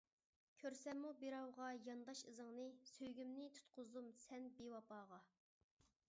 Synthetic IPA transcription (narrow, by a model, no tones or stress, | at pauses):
kʲʰøɾsɛmːubeɾɑwʁɑjɑnd̪ɑʃɨzəŋnɨsøjɡʲymnɪt̪ʰu̥t̪̚qʰʊzumsɛnbewɑpʰɑːʁɑ